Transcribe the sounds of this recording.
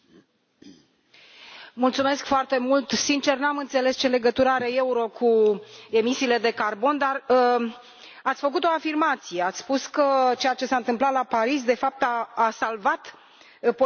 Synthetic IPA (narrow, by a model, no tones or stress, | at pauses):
mult̪sume̞skfoart̪e̞mult̪sint͡ʃe̞rnamɨnt̪se̞le̞st͡ʃe̞le̞ɡət̪uɾəaɾee̞uɾo̞kʰue̞misiːle̞d̪e̞karbo̞nd̪ar | at̪sʲfək̬ut̪o̞afirmat̪sije̞at̪sʲspuskət͡ʃe̞jat͡ʃe̞saɨnt̪ɨmplat̪lapaɾisd̪e̞fap̚t̪aːsalvat̪ | po